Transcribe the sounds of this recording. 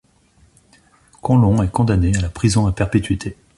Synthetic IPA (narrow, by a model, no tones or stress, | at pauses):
kʰɔ̃lɔ̃ɛkɔ̃d̪anealapχizɔ̃apɛʁpet̪ɥit̪ʰe